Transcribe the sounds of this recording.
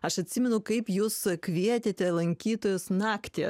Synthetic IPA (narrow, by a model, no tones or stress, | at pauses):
ɐʃɐt̪ʲsʲɪmʲɛnʊkɐɪpjuːskʲʋʲiɛt̪ʲeːt̪ʲɛlˠɐŋʲkʲiːt̪oːjʊsnɑːkt̪ʲḛː